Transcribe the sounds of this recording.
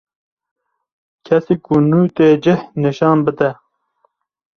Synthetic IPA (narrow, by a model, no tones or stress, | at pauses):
kʰɛsiːkunuːt̪eːd͡ʒɪhnɨʃɑːnbɨd̪ɛ